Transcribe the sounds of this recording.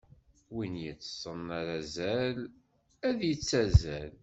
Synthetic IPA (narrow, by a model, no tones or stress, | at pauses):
winjət͡sːsˤənːaɾæzæl | æðjət͡sːæzæl